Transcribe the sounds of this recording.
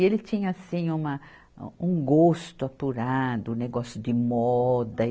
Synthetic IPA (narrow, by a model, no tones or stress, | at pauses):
elɪt͡ʃĩɲɐasĩũmɐ | ũɡost̪ʊapuɾad̪ʊũneɡɔsjʊd̪ɪmɔd̪ɐ